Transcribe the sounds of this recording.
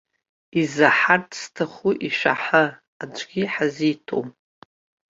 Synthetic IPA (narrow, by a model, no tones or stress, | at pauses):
izaħartʰstʰaχuʔiʃʷᶣa̰ħə | ad͡ʒʷʰʼɡʲiħazitʰo̰wm